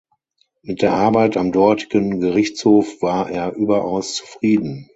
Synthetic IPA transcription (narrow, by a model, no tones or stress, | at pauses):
mɪt̚d̥eːɐʔaɐbaɪtamdɔɐtʰɪ̥ɡənɡəʁɪçt͡shoːfv̥aːɐʔeːɐʔyːbɐʔaʊst͡su̥fʁ̥iːdn̩